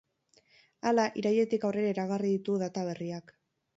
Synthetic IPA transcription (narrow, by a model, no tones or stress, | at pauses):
alaʔiɾaje̞t̪ikawre̞ɾaiɾaɣ̞ariðit̪uðat̪aβ̞e̞riak